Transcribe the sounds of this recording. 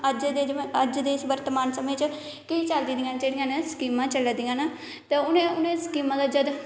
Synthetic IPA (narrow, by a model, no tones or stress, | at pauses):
əd͡ʒ̪eəd͡ʒd̪eːsʋəɾt̪əmaːnsəmeːt͡ʃ | kiːt͡ʃəld̪id̪ɪjãːnd͡ʒeːɽɪjãːnaskiːmãːt͡ʃələd̪ɪjãːnaː | t̪eːʊnẽːʊnẽːskiːmãːd̪aːd͡ʒəd̪